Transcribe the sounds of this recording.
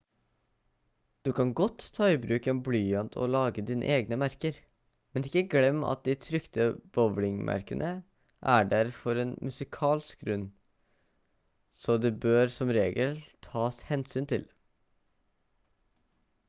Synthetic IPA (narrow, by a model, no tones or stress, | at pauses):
d̪̥ʉkʰɑŋɡɔt̪ʰːɑːɪbɾʉːkɛnblyːənt̪ʰɔ̰lɑːɡəd̪iːnə̰ʔeːɡnəmæɾkəɾ | mɛnɪkːəɡlɛmːɑ̰t̪̚d̪ɪt̪ʰɾʏkt̪əb̥ɔʋlɪŋmʔæ̰ɾkənʔə | ʔæɖæɾfɔɾeːnmʉsɪkʰɑːlɪsk̚ɡɾʉn | sɔd̪ɛbøːɾsɔmɾeːɡəlt̪ʰɑːshɛnsyːnt̪ʰɪl